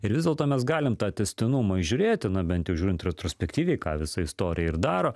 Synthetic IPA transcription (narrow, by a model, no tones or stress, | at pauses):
ɪɾʋʲɪzdʲɛlˠt̪oːmʲɛsɡɑːlʲɪmt̪ɑːt̪ʲɛsʲt̪ʲɪnʊmɐɪʒʲʊːɾʲeːt̪ʲɪnɐbʲɛnt̪jɛʊʒʲuːɾʲɪnt̪ɾʲɛt̪ɾoːsʲpʲɛkt̪ʲiːʋʲɛɪkɑ̰ːʋʲɪsɐɪst̪oːɾʲʔɪjɛɪɾd̪ɑːɾoː